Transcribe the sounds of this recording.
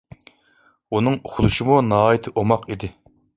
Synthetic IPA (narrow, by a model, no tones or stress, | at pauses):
unɨŋuχʊlˠuʃimunɑːit̪ʰɪʔomɑqid̪ɪ